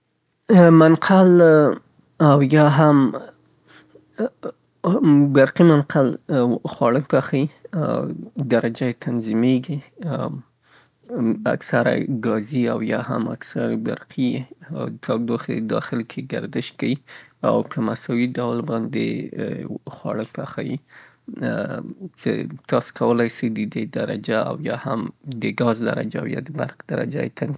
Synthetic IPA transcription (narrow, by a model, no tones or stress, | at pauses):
manqʰal | awjɑɦam | baɾqimanqalxwɑɽək̚paxai | d̪aɾad͡ʒajet̪ʰanzimeɡi | a̰ksaɾa̰ɡɑzia̰wjɑha̰ma̰ksaɾaba̰ɾqʰi | t̪ʰad̪oxḛd̪ɑ̰xɪlkʰeɡa̰ɾd̪ɪʃkawia̰wpʰəmasɑwiɖawlbɑnd̪ḛ | xwɑɽəkpaxaji | t͡ʃḛt̪ɑse̥kawəlajsəjd̪əd̪ed̪aɾa̰d͡ʒaa̰wjɑhamd̪əɡɑzd̪a̰ɾa̰d͡ʒaa̰wjɑ̰d̪əba̰ɾqd̪̥aɾa̰d͡ʒa̰jet̪ʰan